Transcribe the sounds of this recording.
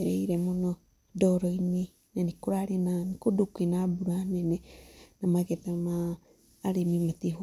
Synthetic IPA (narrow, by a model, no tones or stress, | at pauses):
eɾeiɾemuno | doɾoini | nenikuɾaɾinanikudukuinabuɾanenenamaɡet̪amaː | ɾimimat̪iɦu